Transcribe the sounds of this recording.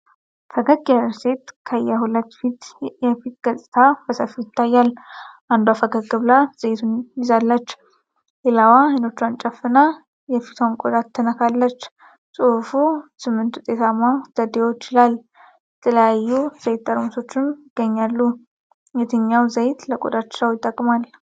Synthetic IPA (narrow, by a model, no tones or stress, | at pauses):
fəɡəɡjaɾset̪kʰəjːɛɦulət̪ːfit̪jɛfit̪̚ɡ̥əsʼɨt̪ʰabəsəfijɪt̪ːajːalːʔand̪uafəɡəɡɨβlaz̥əjt̪ʰunjɪzalːət͡ʃː | lelawaəno̞t͡ʃːuant͡ʃʼəfːɨna | jɛfit̪ʰnkʼod̪ʼat̪ʰːənəkʰalːət͡ʃː | sʼufusɨmːɨnt̪hut̪ʼe̞t̪ʰamːad̪̥əd̪ewo̞t͡ʃːɪlal | ɛt̪ʰələjajːuz̥əjt̪ːəɾmso̞t͡ʃːɪmjɪɡ̥ːəɲːalːu | jɛt̪ʰəɲːawzəjt̪ləkʼo̰d̪ʼat̪t͡ʃɾəwjɪt̪ʼːəkʼːmal